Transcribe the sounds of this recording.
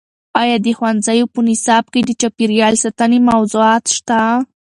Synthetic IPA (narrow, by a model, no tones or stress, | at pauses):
ɑjɑd̪əxwanzajopənɪsɑb̚ked̪ət͡ʃapiɾjɑlsat̪anemawzuɑt̪ʃt̪a